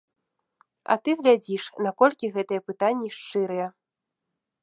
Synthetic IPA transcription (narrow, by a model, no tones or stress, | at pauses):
ɐ̰t̪ɨɣlʲad͡zʲiʂnakɔlʲkʲiɣɛt̪ɨjɛpɨt̪anʲːiʂt͡ʂɨɾɨjɛ